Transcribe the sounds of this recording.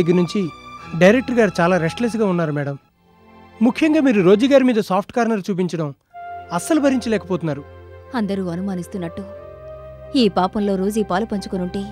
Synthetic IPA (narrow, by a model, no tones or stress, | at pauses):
ɡːɐɾnuɲt͡ʃiɖɐjɾek̚ʈɐɾɡaːɾit͡ʃaːlaːɾesʈles̬ɡaːunːaːɾumɛːɽɐm | mukʰːjɐŋɡaːmiːɾuɾo̞ːd͡ʒɐːɡaːɾimiːd̪ɐsaːp̚ʰʈkaːɾnɐlt͡ʃuːp̬iɲt͡ʃɐɽɐm | ɐsɐlubʱɐɾiɲt͡ʃɐlɛːkɐpɔːt̪unːaːɾuɐnd̪ɐɾuːɐnumaːnist̪unːɐʈːu | iːpaːpɐmlo̞ːɾo̞ːd͡ʒiːpaːlupɐɲt͡ʃu̥konuɳʈiː